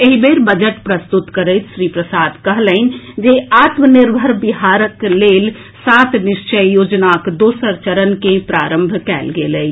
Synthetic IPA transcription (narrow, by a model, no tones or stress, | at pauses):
eɦibeːɾbəd͡ʒəʈpɾɐst̪ʊt̪kəɾət̪ʃɾiːpɾəsaːd̪kɐɦləɪn̆d͡ʒeaːt̪mənɪɾbʱəɾbɪɦaːɾəkleːl | saːt̪ʰnɪʃt͡ʃəjjoːd͡ʒnakd̪oːsəɾt͡ʃəɾənkẽpɾaːɾə̃mbʱkɛ̰ːlɡeːləɪ